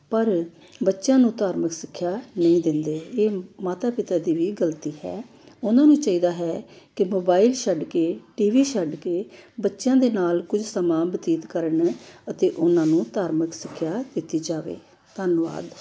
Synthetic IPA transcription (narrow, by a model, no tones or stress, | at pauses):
pəɾ | bətːʃjãːnũːt̪aːɾməksɪkʰːjaːnəĩːd̪ɪnd̪eːeːmaːt̪aːpɪt̪aːd̪iːʋiːɡəlt̪iːɦɛ̰ː | ʊnãːnũːt͡ʃaːiːd̪aːɦɛːkɪmoːbaːɪlʃəɖkeːʈiːʋiːʃəɖkeːbətːʃjãːd̪eːnaːlkʊd͡ʒsəmãːbət̪iːt̪kəɾəɳət̪eːʔʊnãːnũːt̪aːɾməksɪkʰːjaːd̪ɪt̪iːd͡ʒaːʋḛː | t̪ənʋa̰ːd̪